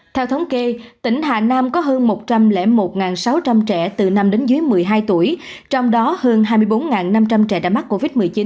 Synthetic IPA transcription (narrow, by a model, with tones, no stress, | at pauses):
t̪ʰɛ˧wt̪ʰə˨˦wŋ͡mke˧t̪ï˧˩ŋ̟ɦaː˨˩naː˧mkɔ˨˦ɦəː˧nmo˨˩t̚t͡ɕa˧mlɛ̰˧˩mo˨˩t̚ŋaː˨˩nsa˨˦wt͡ɕa˧mt͡ɕɛ̰˧˩t̪ɨ˨˩na˧mɗe˨˦nzɨː˨˦əjmɨ˨˩əjɦaː˧jt̪u˧˩əjt͡ɕɔ˧wŋ͡mɗɔ˨˦həː˧nɦaː˧jmɨ˧əjɓo˨˦nŋaː˨˩nna˧mt͡ɕa˧mt͡ɕɛ̰˧˩ɗa̰ː˧˩jma˦˥t̚kːo˧vi˦˥t̚mɨ˨˩əjt͡ɕi˨˦n